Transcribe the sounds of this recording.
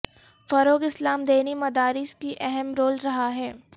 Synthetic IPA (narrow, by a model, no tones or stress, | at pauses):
fɐɾoːkɪslaːmd̪eːnimɐd̪aːɾɪskiʔɛɦɛmɾoːlɾɐɦaɦɛː